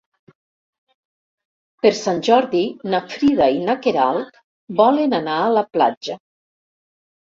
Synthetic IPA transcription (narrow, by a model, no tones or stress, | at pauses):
peɾsanʲʒɔɾðinafɾiðainakeɾalˠt̪ | bɔlenanaːləpla̰d͡ʒə